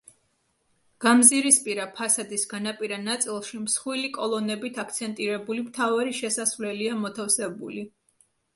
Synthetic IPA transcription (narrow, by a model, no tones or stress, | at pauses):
ɡ̥amziɾispʼiɾapʰasad̪isɡanapʼiɾanat̪sʼilˠʃimsχwilikʼɔlˠɔnɛbit̪ʰakʰt̪sʰɛnt̪ʼiɾɛbulimt̪ʰavaɾiʃɛsasvlɛliamɔt̪ʰafsɛbṵli